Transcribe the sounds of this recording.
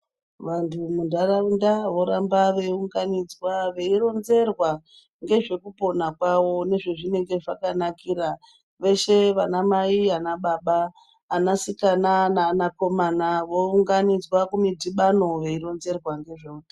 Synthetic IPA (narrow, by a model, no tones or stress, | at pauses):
ʋantʰumundaraundaʋo̞ɾambaʋe̞uŋɡanid͡zwaʋe̞iɾo̞nze̞rwa | ŋɡe̞ʐe̞kupo̞nakwawo̞ne̞ʐe̞ʐine̞ŋɡe̞ʐakanakiɾa | ʋe̞ʃe̞ʋanamaianaɓaɓaː | nasikananaːnako̞manaʋo̞uŋɡanid͡zwakumidiɓano̞ʋe̞iɾo̞nze̞rwaŋɡe̞ʐeuta